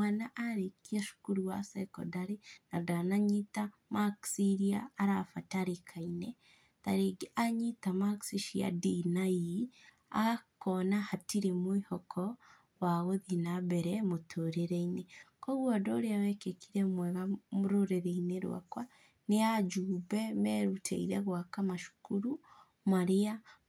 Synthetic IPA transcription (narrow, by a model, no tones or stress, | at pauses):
mwanaʔaɾikiaʃu̥kuɾuwa̰seko̰daɾinadanaɲita | maksiɾiaːɾafataɾikʰaine | ta̰ɾeɡaɲitamaksiʃia̰dinaji | a̰ɣakonahatiɾimwihokʰɔ | waɣoðinabɛɾɛmotʰoɾeɾɛinekɔɣwɔdɔɾeawɛkekiɾɛmwɛɣamoɾoɾeɾeineɾw̰a̰kwa | nead͡ʒubɛmɛɾutʰḛiɾɛɣwakamaʃu̥kuɾu | maɾea